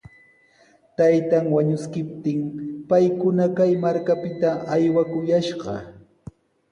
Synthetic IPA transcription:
t̪ajt̪aŋwaɲʊskɪp̚t̪ɪŋpajkʊnakajmaɾkapɪt̪aʔajwakʊjaʃɢɑ̰

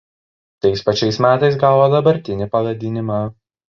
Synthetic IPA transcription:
t̪ɐɪspɐt͡ʃʲɛɪsmʲæːt̪ɐɪsɡɑːʋod̪ɐbɐɾʲt̪ʲɪnʲɪpɐʋɐd̪ʲɪnʲɪmɑ

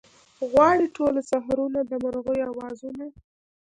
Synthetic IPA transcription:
ɣwɑɽiʈʰolasaɦɾunad̪əmaɾɣojawɑzuna

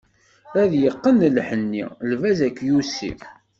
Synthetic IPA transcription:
æðjəqːənlħənːḭlvæzækːjusḭ

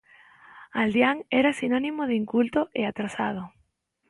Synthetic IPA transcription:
ald̪jaŋɛɾasinonĩmoðiŋkult̪oʔeat̪ɾasa̰ð̞o

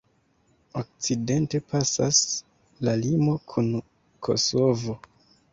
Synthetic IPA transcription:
ok̚t͡side̞nte̞pʰasas | lalimo̞kʰun | kʰo̞̰so̞vo̞

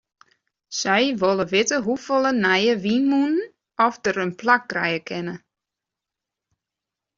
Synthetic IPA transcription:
sɛjʋolˠəʋɪtəɦufolˠənɛjəʋinmun | ɔfdəɾənplak̚ɡrɛjəkʰɪnə

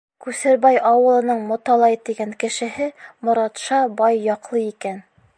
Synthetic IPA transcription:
kʉsɘ̆ɾbæjɑwɤ̆lˠɤ̆nɤɴmŏt̪ɑlˠɑjt̪iɡæŋkɘ̆ʃɘ̆ɦɘmŏɾɑt̪ʃɑbɑjːɑqlˠɤikæn

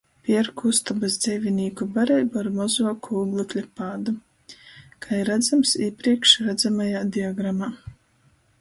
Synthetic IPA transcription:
pʲiɛɾkʰust̪abasd̪zʲɛjvʲinʲiːkubaɾɛjbuaɾmɔzuːkuːɡlˠɨt̪ʲlʲɛpaːd̪u | kaiɾad̪zamsiːpɾiɛkʃɾad̪zamajaːd̪ʲiɔɡɾamaː

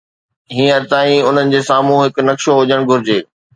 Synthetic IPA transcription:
ɦĩːəɾt̪aːĩʊn̤ənɪ̆d͡ʑeːsaːm̤ũɦɪkʊ̆nɐkʃoɦʊd͡ʑəɽ̃ɡʱʊɾɪd͡ʑeː

